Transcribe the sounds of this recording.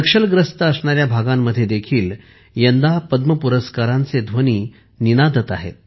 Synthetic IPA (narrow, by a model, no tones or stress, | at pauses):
əkʂəlɡɾəst̪əəsɳaɾjabʱaɡamːəd̪ʱːjed̪ekʰiːl | jənd̪apəd̪məpuɾəskaɾant͡sed̪ʱʋəniː | ninad̪ʱət̪a̰ɦḛt̪̚